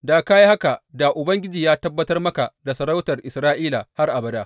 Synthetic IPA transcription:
daː˨kaː˦ji˦ha˦ka˨da˨ʔʊ˨bɐ˦ŋɡʲɪ˦d͡ʒiː˨jaː˦tɐ˦bːɐ˦tɐ˦rmɐ˦ka˨da˨sɐ˨ɾa˦wtɐ˨rʔɪ˨sɾaː˦ʔiː˦la˨ha˦rʔa˨bɐ˦daː˦

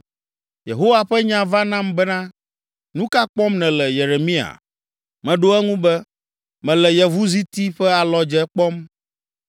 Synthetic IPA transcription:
je˨ɦo˦wa˨ɸɛ˦ɲã˦va˦nã˦mbɛ˦nã˦ | nũ˦ka˦k͡pɔ˦mnɛ̃˨lɛ˨je˨ɾe˨mĩ˦a̰˨ | mɛ̃˨ɖo˦ɛ˦ŋũ˦bɛ˦ | mɛ̃˨lɛ˨jɛ˨vu˦zi˦t̪i˦ɸɛ˦a˨lɔ˦d͡ʒɛ˦k͡pɔ˦m

